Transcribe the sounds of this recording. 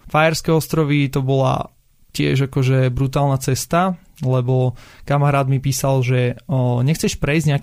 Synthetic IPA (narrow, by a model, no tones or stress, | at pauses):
fajɛɾskɛɔst̪ɾɔʋit̪ɔbɔla̰ | cɪɛ̰ʒakɔʒɛbɾut̪aːlˠnat͡sɛst̪a | lɛbɔkamaɾaːd̪mipiːsalʒɛɲɛxt͡sɛʃpɾɛizɲɛak